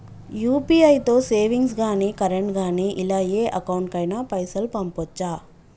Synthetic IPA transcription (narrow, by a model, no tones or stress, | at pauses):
juːpiːɐjt̪o̞ːseːʋiŋɡsɡaːniːkɐɾeɳʈɡaːniːʔilaːjeːʔɐkɐwɳʈkɐjnapɐjsɐlpɐmpɔt͡ʃːaː